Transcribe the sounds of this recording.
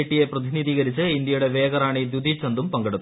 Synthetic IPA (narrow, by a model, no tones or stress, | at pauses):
ʈːije̞prɐðiniðiːɣɐɾit͡ɕːɨind̪jɐjuɽe̞ʋeːɡɐɾaːɳid̪jud̪ʱit͡ɕɐnd̪umpɐŋɡeɽut̪ː